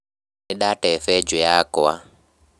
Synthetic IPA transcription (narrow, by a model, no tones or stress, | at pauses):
niɗatɛfɛd͡ʒɔjakɔwa